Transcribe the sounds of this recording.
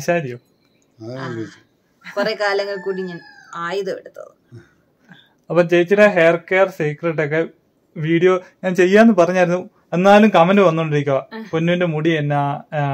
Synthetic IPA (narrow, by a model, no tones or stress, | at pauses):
ɐɕaːɾiu | pɐrɐkaːljɐŋːɐɭkuːɽiɲaːnaːjiðɐpeɽut̪ːɐ̰ðɨ | ɐpːoːmt͡ɕe̞jit͡ɕːiʈːɐɦeːrkeːɐrsiːkreʈːok̬ːe̞ | ʋiːɽijo̞ːɲaːnt͡ɕe̞jːaːenːɨpɐrɐɲːaːjiɾunːu | e̞nːaːlumkɐmendɨʋɐnːoːɳɖiɾikʲːuɐponːuinde̞muɽienːa